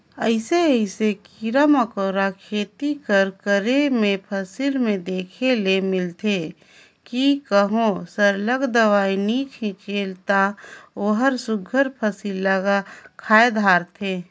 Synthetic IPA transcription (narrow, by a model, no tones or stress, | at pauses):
əɪseəɪsekiɾaməkoːɾakʰeːt̪ikəɾkəɾemẽpʰəsilmẽd̪eːkʰelemɪlt̪ʰe | kikəɦõsəɾləɡd̪əʋaːinikʰɪ̃keːlt̪aoːɦəɾsʊɡʱəɾpʰəsilːəɡakʰaːed̪ʱaːɾt̪ʰeː